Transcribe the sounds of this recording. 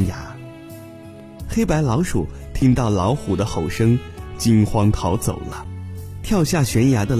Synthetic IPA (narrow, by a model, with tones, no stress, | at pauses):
ja˧˥ | xe˥ɪpa˧˥ɪlɑ˧˥ʊʂṵ˨˩t̪ʰi˥ŋt̪ɑ˥˩ʊlɑ˧˥ʊxu˨˩d̪ə˦xo˨˩ʊʂɤ˥ŋt͡ɕi˥nxwɑ˥ŋt̪ʰɑ˧˥ʊt͡so˨˩ʊlə˦t̪ʰjɑ˥˧ʊɕja˥˩ɕɥɛ˧˥nja˧˥d̪ə˧